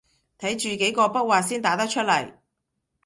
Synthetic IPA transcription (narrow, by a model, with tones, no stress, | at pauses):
t̪ʰɐ˨˥jt͡ʃyː˨ke˨˥jkɔː˧pɐ˥t̚waː˨tsiː˥nt̪aː˨˥t̪ɐ˥k̚t͡ʃʰɵ˥t̚lɐ˨˩j